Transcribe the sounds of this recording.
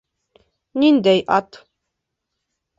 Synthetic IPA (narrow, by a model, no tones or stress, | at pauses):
nind̪æjʔɑt̪